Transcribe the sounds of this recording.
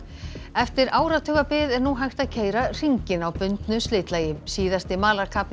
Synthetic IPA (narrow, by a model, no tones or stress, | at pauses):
ɛft̪ɪɾaːwɾat̪ʰʏːɣapɪːðɛɾnuɦajxt̪aðcʰeːjɾar̥iɲcɪnawpʏnt̪nʏst̪lɪːt̪lajɪsiːðast̪ɪmaːlaɾkʰapl